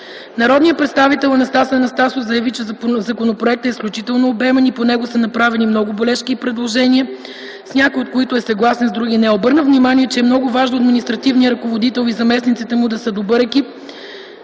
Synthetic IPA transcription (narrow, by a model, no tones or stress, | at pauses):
nɐɾɔd̪nijəpɾɛt̪st̪avit̪ɛlˠɐnɐst̪asəɐnɐst̪asofzɐjɐvit͡ʃɛzɐkonopɾoɛk̚t̪əɛisklʲut͡ʃit̪ɛlˠnoːbɛmɛniponɛɡʊsənɐpɾavɛnimnɔɡʊbolɛʃkipɾɛd̪lˠoʒɛniə | snʲakojot̪koit̪ʊɛsɐɡlˠasɛnzd̪ɾuɡʲinɛobɤɾnəvnimaniɛt͡ʃɛɛmnɔɡʊvaʒnoɐd̪minʲist̪ɾɐt̪ivniəɾɐkovod̪it̪ɛlˠizɐmɛsnit̪sit̪ɛmʊd̪ɐsəd̪obɤɾɛkip